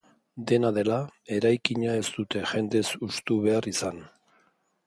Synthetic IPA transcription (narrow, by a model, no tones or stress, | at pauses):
d̪e̞naðe̞lae̞ɾajkiɲae̞st̪ut̪e̞ʝe̞nd̪e̞sust̪uβe̞arisan